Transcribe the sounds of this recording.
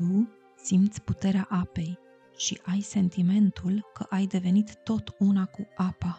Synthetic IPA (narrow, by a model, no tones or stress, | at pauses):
u | simt̪sʲput̪e̞ɾeaʔape̞j | ʃiʔajse̞nt̪ime̞nt̪ulkəʔajd̪e̞ve̞nit̪ːo̞t̪unakuʔapa